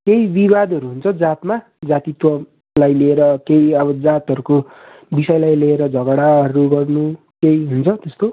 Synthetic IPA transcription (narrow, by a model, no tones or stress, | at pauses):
kejibibad̪ʱʌɾuɦunt͡sʰʌd͡zat̪ma | d͡zat̪it̪wʌ | lajleeɾʌkejʌbʌd͡zat̪ʌɾuko | bisʌjlajleeɾʌd͡zʱʌɡɽaʌɾuɡʌrnu | kejɦunt͡sʰʌt̪est̪o